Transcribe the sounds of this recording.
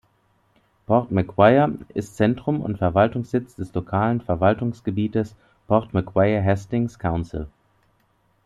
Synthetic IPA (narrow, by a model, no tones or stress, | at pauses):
pʰɔɐtmɛkʰw̥aɪɐʔɪstt͡sɛntʁ̥ʊmʊ̰ntfɛɐvaltʊŋsz̥ɪt͡sd̥ɛslokʰaːlənfɛɐvaltʊŋsɡ̥əbiːtəs | pʰɔɐtmɛkʰw̥aɪɐɦɛstɪŋskʰaʊnsɪ̰l